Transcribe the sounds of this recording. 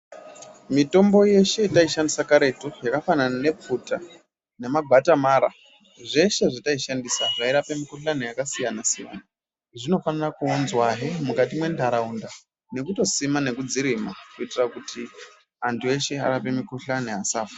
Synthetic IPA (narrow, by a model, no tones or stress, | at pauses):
mito̞mbo̞je̞ʃe̞itaiʃandisakaɾe̞tojakafananane̞p͡futa | ne̞maɡʱatamaːɾa | ʐe̞ʃe̞ʐitaiʃandisaʐaiɾape̞mikuɬanejakasijanasija̰na | ʐino̞fanirakuonzwaɦemukatimwe̞ndʱaɾaunda | ne̞kuto̞simane̞kud͡ziɾimakuitirakutʰi | antʰue̞ʃe̞a̰ɾape̞mikuɬaneɦasaːfa